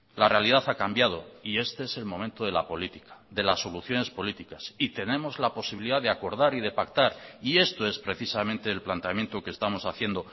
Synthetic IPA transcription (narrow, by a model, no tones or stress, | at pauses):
lare̞alið̞aθakambjað̞o̞̰ie̞st̪ee̞se̞lmõ̞mẽnt̪oð̞e̞lapo̞lit̪i̥kḁðe̞lasːo̞luθjo̞ne̞spo̞lit̪ikasit̪e̞nẽ̞mo̞zlapo̞siβiliðaðeako̞ɾðaɾiðe̞pakt̪aɾie̞st̪o̞e̞spɾe̞θisamẽ̞nt̪e̞ːlplant̪eamje̞nt̪okest̪amo̞saθje̞nd̪o̞